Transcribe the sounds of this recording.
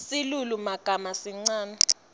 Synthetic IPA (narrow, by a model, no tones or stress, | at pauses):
silulumaɡ̥ʱamasiŋ͡ǀaːnɛ